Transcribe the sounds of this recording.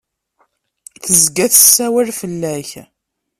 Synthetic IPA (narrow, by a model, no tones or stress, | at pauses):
θəzɡæθə̥sːæwælfəlːæç